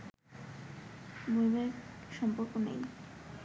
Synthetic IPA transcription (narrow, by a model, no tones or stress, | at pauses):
mujbeʃɔmpoɾkonḛj